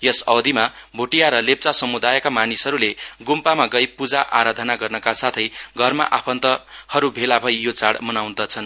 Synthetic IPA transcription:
jʌsʌwd̪imabʱoʈijaɾʌlep̚t͡sasʌmud̪ajʌkamanisʌɾuleɡumpamaɡʌjpud͡zaʔaɾad̪ʱʌnaɡʌrnʌkasat̪ʰʌjɡʱʌrma̰ʔapʰʌnt̪ʌhʌɾubʱelabʱʌjjot͡saɽmʌnawnd̪ʌt͡sʰʌn

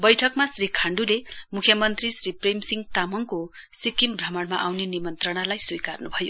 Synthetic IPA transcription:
bʌjʈʰʌkmasrikʰaɳɖulemukʰjʌmʌnt̪risriprejmsiŋɡt̪amʌŋko | sikimbrʌmʌɽma̰ʔawnenimʌnt̪rʌɽ̃alajsujkarnubʱʌjo

